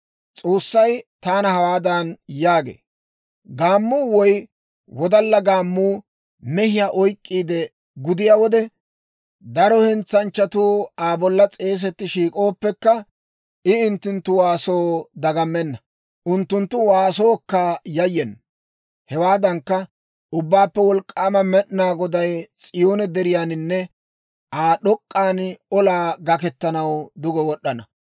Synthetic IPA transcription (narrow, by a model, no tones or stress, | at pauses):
t͡sʼo̞ːsːɐjt̪aːnɐhɐwaːd̪ɐnjaːɡḛː | ɡaːmːuːwɔj | wɔd̪ɐlːɐɡaːmːuː | mɛhɪjaːʔɔjkʼːiːd̪ɛ | ɡʊd̪ɪjaːwɔd̪ɛ | d̪ɐɾɔhɛnt͡sːɐnt͡ʃːɐt̪uːaːbɔlːɐt͡sʼe̞ːs̬ɛt̪ːɪʃiːkʼo̞ːpːɛkːɐ | ɪɪnt̪ːʊnt̪ːʊwaːso̞ːd̪ɐɡɐmːɛnːɐ | ʔʊnt̪ːʊnt̪ːʊwaːso̞ːkːajɐjːɛn | hɛwaːd̪ɐŋkːɐ | ʔʊbːaːpːɛwɔlkʼːaːmɐmɛɗnaːɡɔd̪ɐjt͡sʼɪjo̞ːnɛd̪ɛɾɪjaːnɪnːɛ | ʔaːɗɔkʼːaːnɔlaːɡɐkɛt̪ːɐnɐwd̪ʊɡɛwɔɗːɐnɐ